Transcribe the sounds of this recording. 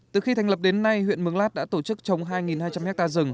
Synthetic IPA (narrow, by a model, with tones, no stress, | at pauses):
t̪ɨ˨˩xi˧t̪ʰa˨˩ŋ̟lə˨˩p̚ɗe˨˦nːa˧jwḭ˧˨ənmɨ˨˦əŋlaː˦˥t̚ɗa̰ː˧˥t̪o˧˩t͡ɕɨ˦˥k̚t͡ɕə˨˦wŋ͡mɦaː˧jŋi˨˩nhaː˧jt͡ɕa˧mhɛ˦˥k̚t̪aː˧zɨ˨˩ŋ